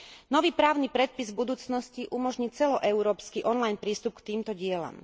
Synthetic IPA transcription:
nɔʋiːpɾaːʊnipɾɛt̪̚pizvbud̪uːt͡snɔsciʔumɔʒɲit͡sɛlɔʔɛuɾɔːpskiʔɔnlajnpɾiːst̪up̚kt̪iːmt̪ɔɟɪɛla̰m

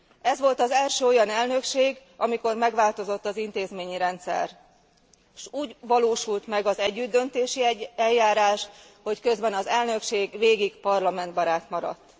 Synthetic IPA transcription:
ɛzʋo̞lt̪ɒzɛlʃøːo̞jɒnɛlnø̞kʃeːɡ | ɒmiko̞rmɛɡʋaːlt̪o̞zo̞t̪ːɒzint̪eːzmeːɲiɾɛnt̪sɛ̰r | ʃuːɟʋɒloːʃult̪mɛɡɒzɛɟːyd̪ːø̞nt̪eːʃiɛlːaːɾaːʃ | ho̞ckø̞zbɛnɒzɛlnø̞kʃeːɡʋeːɡiɡpɒrlɒmɛnd̪bɒɾaːt̪mɒɾɒ̰t̪ː

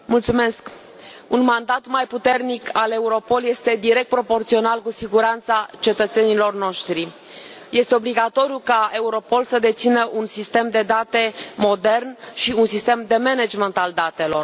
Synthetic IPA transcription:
mult̪sume̞sk | unmand̪at̪majput̪e̞rnikʰale̞uɾo̞po̞lje̞st̪e̞d̪iɾe̞k̚t̪̚pɾo̞po̞rt̪sio̞nalkusiɡuɾant̪sat͡ʃe̞t̪ət̪se̞nilo̞rno̞ʃt̪ɾi | je̞st̪eo̞bliɡat̪o̞ɾjukae̞uɾo̞po̞lsəd̪e̞t̪sinəʔunsist̪e̞md̪e̞d̪at̪e̞mo̞d̪e̞rnʃiunsist̪e̞md̪e̞mened͡ʒment̪ald̪at̪e̞lo̞r

